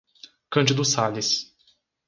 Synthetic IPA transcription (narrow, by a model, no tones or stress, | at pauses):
kɐ̃nd͡ʒɪd̪ʊsalɪs